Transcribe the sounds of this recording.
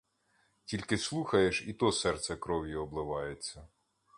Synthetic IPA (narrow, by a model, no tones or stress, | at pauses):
tʲilʲkɪslˠuxɐjeʃit̪ɔsɛrt̪sɛkɾɔʋʲjiɔblˠɪʋɑjet͡sʲːɐ